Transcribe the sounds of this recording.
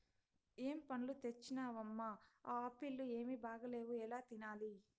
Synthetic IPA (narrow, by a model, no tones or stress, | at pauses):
eːmpɐnlut̪et͡ʃːinaːʋɐmːaːaːpilːue̞ːmibaːɡɐle̞ːʋuɛlaːt̪inaːli